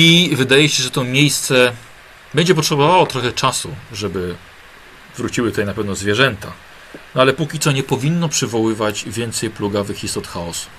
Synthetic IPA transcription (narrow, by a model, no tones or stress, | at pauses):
ivɘd̪ajɛɕɛʐɛt̪ɔmʲjejst̪sɛ | bɛɲd͡ʑɛp̬ɔtʂɛbɔvawɔt̪ɾɔxɛt͡ʂasuʐɛbɘ | vɾut͡ɕiwɘt̪ut̪ajnapɛvnɔzvʲjɛʐɛnt̪a | nɔalɛpukʲit̪sɔɲɛpɔvʲinːɔpʂɘvɔwɘvad͡ʑvʲjɛnt̪sɛjpluɡavɘxʲist̪ɔt̪xaɔsu̥